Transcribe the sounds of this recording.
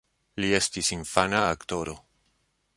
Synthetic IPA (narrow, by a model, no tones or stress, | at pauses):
lie̞stisiɱfanaːkto̞ɾo̞